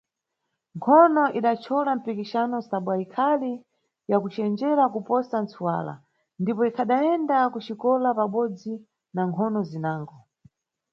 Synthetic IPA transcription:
ŋkʰɔnɔʔiɗat͡ʃʰɔlam̩pikiʃanɔsaɓwaikʰali | jakut͡ʃɛnd͡ʒɛɾakupɔsant͡sʰuwa̰la̰ | ndipɔikʰaɗaɛndakut͡ʃikɔlapaɓɔd͡zi | naŋkʰɔnɔzinaːŋɡɔ

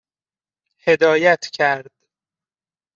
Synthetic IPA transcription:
he̞d̪ɒːjæt̪ʰcʰæɾd̪̥

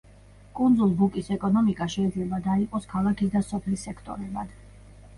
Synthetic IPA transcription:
kʼund̪zulˠbukʼisɛkʼɔnɔmikʼaʃɛid̪zlɛbad̪aiqʼɔskʰalˠakʰisd̪asɔpʰlisɛkʰt̪ʼɔ̰ɾɛbad̪̥

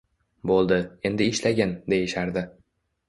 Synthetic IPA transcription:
bolˠd̪ɪe̞nd̪ɪɪʃlaɡʲand̪e̞jɪʃaɾd̪ɪ

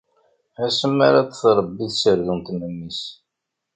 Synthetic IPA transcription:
æsəmːaɾat͡sθɾˤəbːiθsəɾðunt̪nəmːis

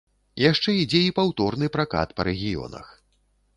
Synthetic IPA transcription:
jaʂt͡ʂɛid͡zʲɛipawt̪ɔrnɨpɾaka̰t̪pɐɾɛɣʲijɔ̰nɐ̰x

